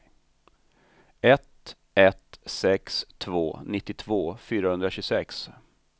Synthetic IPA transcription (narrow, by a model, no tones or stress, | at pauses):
ɛt̪ | ɛt̪sɛkst̪ʰvoːnɪt̪ːɪt̪ʰvoːfyːɾahɵnd̪ɾaɕɵsɛks